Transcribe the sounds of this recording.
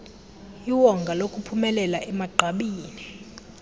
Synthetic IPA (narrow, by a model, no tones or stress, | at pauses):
iwɔŋɡʱalokʼupʰumɛlɛlaʔɛmaɡ͡ǃʱaɓiːni